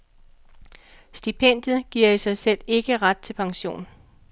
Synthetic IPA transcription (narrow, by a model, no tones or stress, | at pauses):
sd̥ipʰen̰d̥jð̩ˠɡ̥iɐ̰isɑ̈ɪsel̰e̝ɡ̥əʁad̥̚t͡sʰe̝lpʰɑ̈ŋɕo̝̰ːn